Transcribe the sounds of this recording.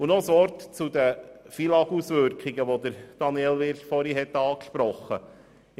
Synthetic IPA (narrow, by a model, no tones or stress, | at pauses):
unosʋɔɾtt͡sud̪əfilɑɡusʋʏɾkiɡəʋod̪əɾd̥ɑniɛlʋɪɾtfɔɾiɦɛt̪ːɑːkʃpɾɔχːə